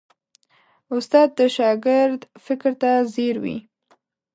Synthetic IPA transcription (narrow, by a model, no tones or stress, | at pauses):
ʊst̪ɑd̪̚ːəʃɑɡɪɾd̪fɪkɾt̪azeɾwḭ